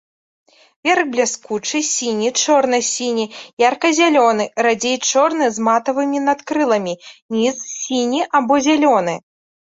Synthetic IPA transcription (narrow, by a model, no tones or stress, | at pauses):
vʲerɣblʲaskut͡ʂɨsʲinʲit͡ʂɔrnɨsʲinʲijarkɐzʲalʲɔnɨrad͡zʲejt͡ʂɔrnɨzmat̪ɐvɨmʲinat̪kɾɨlˠɐmʲinʲissʲinʲiʔabɔzʲalʲɔnɨ